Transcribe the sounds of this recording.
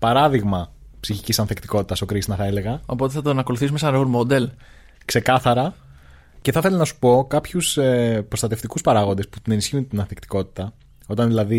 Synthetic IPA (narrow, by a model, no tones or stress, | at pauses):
pɐɾɐðiɣmɐ | psiçicisɐnθekt̪iko̞t̪it̪ɐso̞kɾisnɐθɐe̞le̞ɣɐo̞po̞t̪eθɐt̪onɐko̞luθisumesɐnɾɣoɾmod̪e̞l | kse̞kɐθɐɾɐ | ceθɐθe̞lɐnɐsu̥po̞kɐpçusepɾo̞st̪ɐt̪e̞ft̪ikuspɐɾɐɣo̞nd̪esput̪ine̞nisçiunt̪inɐnθekt̪i̥ko̞t̪i̥t̪ɐ | o̞t̪ɐnðilɐði